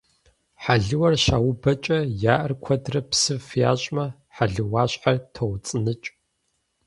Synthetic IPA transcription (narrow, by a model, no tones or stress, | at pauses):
ħaɮɨwɐrɕaːwʊbɐt͡ʃʼɐjaːʔɐrkʷʰɐdrɐpsɨfja̰ːɕʼmɐ | ħaɮɨwaːɕħartʰowt͡sʼɨnɨt͡ʃʼ